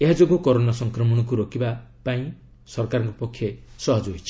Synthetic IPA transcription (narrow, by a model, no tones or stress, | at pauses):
eɦad͡ʒoɡokɔɾonasɔŋkɾɔmɔɽ̃ɔk̬uɾokibapaĩ | sɔɾkaɾɔŋkɔpɔkʰːjesɔɦɔd͡ʒɦojt͡ʃʰi̥